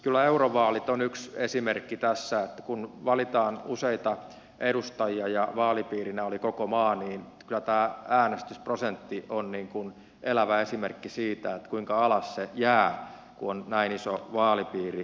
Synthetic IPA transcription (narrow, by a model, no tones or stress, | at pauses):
kylːˑæeuroʋɑːlit̪onyksesimerkːit̪æsːæet̪ːæ̥kunʋɑlit̪ɑːnuseit̪ɑ | edust̪ɑjiɑjɑʋɑːlipiːrinæolikokomɑːniːn | kylæt̪æːæːnest̪ysprosent̪ːionniːŋkun | ʔelæʋæesimerkːisiːt̪æet̪ːkuiŋkɑɑlɑssejæː | kuonnæinisoʋɑːlipiːri